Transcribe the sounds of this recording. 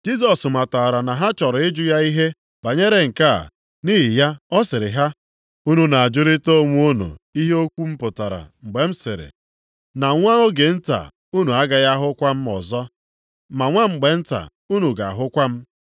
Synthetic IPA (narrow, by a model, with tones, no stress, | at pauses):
d͡ʒi˦s̬ɔ˨sma˨ta˨ɾa˨na˨ɦa˦t͡ʃɔ˨ɾɪ˦d͡ʒʊ˦ja˦i˦ɦe˦ | ba˨ɲe˦ɾe˦ŋ̩˨ka̰˦˨ | niː˦ɦi˨ja˦ɔ˦sɪ˨ɾɪ˨ɦa˦ | u˦nu˦na˨a˨d͡ʒʊ˦ɾi˦to˦˨ŋʷu˦o˦nṵ˨i˦ɦe˦o˦kʷu˦m̩˦pʊ˨ta˨ɾa̰˨ŋ͡m̩˨ɡ͡be˨m̩˦sɪ˨ɾɪ̰˨ | na˨ŋʷa˦o˦ɡe˨n̩˦ta̰˨ | u˦nu˨a˦ɡa˨ja˦ɦʊ˦kʷa˦m̩˦ɔ̰˨zɔ˦ | ma˨ŋʷa˦ŋ͡m̩˨ɡ͡be˨n̩˦ta̰˨ | u˦nu˨ɡa˨a˨ɦʊ˦kʷa˦m̩˦